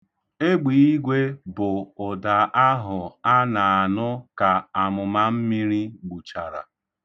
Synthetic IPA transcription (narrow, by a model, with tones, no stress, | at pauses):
e˦ɡ͡biː˨i˦ɡʷe˦bʊ˨ʊ˨da˨a˦ɦʊ˨a˦na˨a˨nʊ˦ka˨a˨mʊ˨ma˦m̩˦mi˦ɾi˦ɡ͡bu˨t͡ʃa˨ɾa̰˨